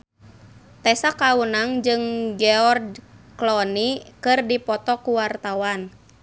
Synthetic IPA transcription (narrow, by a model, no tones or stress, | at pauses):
t̪ɛsakawunaŋd͡ʒɨŋɡɛɔrdklɔnikɨrdipɔt̪ɔkuwart̪awan